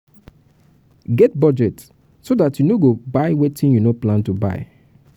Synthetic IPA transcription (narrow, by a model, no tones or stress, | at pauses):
ɡɛt̚bɔd͡ʒɛt | sodatjunoɡobaɪwetĩnjunoplãntuba̰ɪ